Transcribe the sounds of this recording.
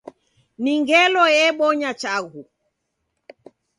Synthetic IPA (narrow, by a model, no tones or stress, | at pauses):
niŋɡɛlɔjɛɓɔɲat͡ʃaɣu